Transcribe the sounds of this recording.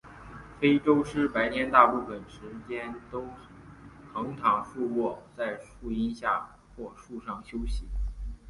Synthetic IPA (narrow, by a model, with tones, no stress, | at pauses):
fe˥ɪʈ͡ʂo˥ʊʂɻ̩˥˩pa˧˥ɪnjɛ˧˥nt̪a˥˧pu˥˩fə˨˩nʂɻ̩˧˥t͡ɕjɛ˥nt̪o˥ʊ | xʰɤ˧˥ŋt̪ʰɑ˨˧˥ŋʂu˥˧wwɔ˥˩t͡sa˥˧ɪʂu˥˩i˥nɕja̰˥˧ | xwɔ˥˧ʂu˥˧ʂɑ˥˩ŋɕjo˥ʊɕi˧˩˥